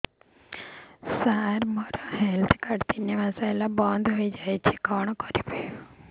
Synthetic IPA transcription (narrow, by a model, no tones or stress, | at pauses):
saɾmɔɾoɦɛlt̪ʰkaɽt̪iniʋasaelabɔ̃nd̪ʱɦoid͡ʒajt͡ʃʰekɔɳ̃kɔɾipəjo